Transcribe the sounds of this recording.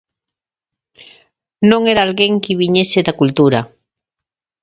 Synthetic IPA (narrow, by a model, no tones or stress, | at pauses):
nõŋeɾaːlɣeŋkiβiɲeseðakult̪uɾa